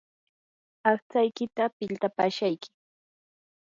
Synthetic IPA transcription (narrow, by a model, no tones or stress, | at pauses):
ɑχt͡sajkɪt̪apɪlt̪apaːʃajkɪ̥